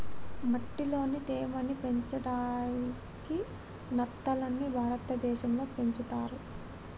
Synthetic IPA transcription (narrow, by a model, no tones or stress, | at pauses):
mɐʈːilo̞ːnit̪eːmɐnipe̞ɲt͡ʃɐɽaːni | ki | nɐt̪ːɐlɐnːibʱaːɾɐt̪ɐd̪ɛːʃɐmlo̞ːpe̞ɲt͡ʃut̪aːɾu